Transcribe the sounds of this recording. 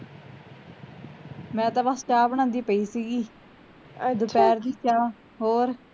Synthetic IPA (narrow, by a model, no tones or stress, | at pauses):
mɛ̃ːt̪ãːbast͡ʃaːbəɳ̃ãːnd̪iːpəiːsiːɡiː | d̪ʊpɛːɾd̪iːt͡ʃaː | ɦoːɾ